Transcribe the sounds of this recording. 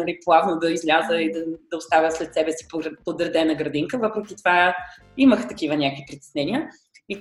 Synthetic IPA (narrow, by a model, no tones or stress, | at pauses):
nɐlʲiplˠavnod̪ɐizlʲazəid̪ɐd̪ɐost̪avʲjəslɛt̪sɛbɛsi̥pɾpod̪əɾd̪ɛnɐɡɾɐd̪iŋkəvəpɾʊk̟ʲit̪ova | iməxt̪ɐkivənʲakovipɾit̪ɛ̥snɛniə | i